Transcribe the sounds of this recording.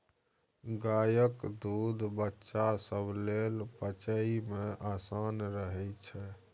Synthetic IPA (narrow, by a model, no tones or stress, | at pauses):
ɡajəkd̪ud̪ʱbətːʃasəbʱlelpət͡ʃəimẽʔasanɾəɦɛt͡ʃʰɛ